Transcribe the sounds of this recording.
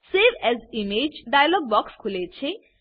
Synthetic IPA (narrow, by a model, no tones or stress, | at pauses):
seʋɛzimed͡ʒɖajalɔɡ̚bɔkskʰulet͡ʃʰe